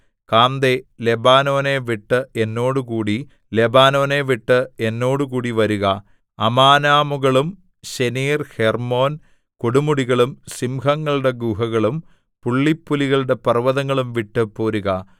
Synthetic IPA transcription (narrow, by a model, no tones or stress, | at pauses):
kaːnd̪ele̞baːno̞ːne̞ʋiʈːɨenːo̞ːɽukuːɽi | le̞baːno̞ːneʋiʈːɨenːo̞ːɽukuːɽiʋɐɾuɣɐ | ɐmaːnaːmuɣɐɭum | ɕeniːrhermo̞ːn | koɽumuɽiɣɐɭumsimɦɐŋːɐɭuɽe̞ɡuɦɐɣɐɭum | puɭːipːuliɣɐɭuɽe̞pɐrʋɐðɐŋːɐɭumʋiʈːɨpoːɾuɣɐ